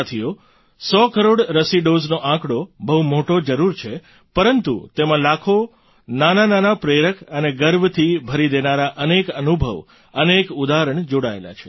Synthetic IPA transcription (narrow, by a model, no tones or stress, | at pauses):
t̪ʰijo | sɔkəɾoɽɾəsiɖoznoʔãkɽobəɦumoʈod͡ʒəɾuɾt͡ʃʰe | pəɾənt̪ṵt̪emãlakʰo | nanananapɾeɾəkʰəneɡəɾbt̪ʰibʱəɾid̪enaɾaʔənekənubʱə̰ʋ | ənekud̪aɦɾəɳd͡ʒoɽaḛla̰t͡ʃʰe̥